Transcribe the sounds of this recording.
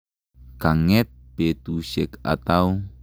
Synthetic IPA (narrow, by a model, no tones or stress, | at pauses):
kaŋɛt̪̚bet̪usɪka̰t̪au